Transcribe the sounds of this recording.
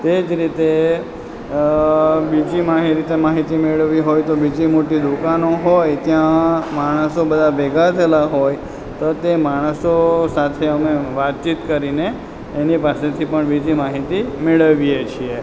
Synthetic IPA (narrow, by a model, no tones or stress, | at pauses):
t̪ed͡ʒɾit̪e | bid͡ʒimaɦiɾit̪emaɦit̪imeɭəʋiɦojt̪obid͡ʒimoʈid̪ukanoɦojt̪jãmaɽ̃əsobəd̪ʱabɛɡʱat̪ʰəlaɦoj | t̪ot̪emaɽ̃əsosat̪ʰeəmeʋat̪̚t͡ʃit̪kəɾineː | nipaset̪ʰipəɳbid͡ʒimaɦit̪imeɭəʋiet͡ʃʰie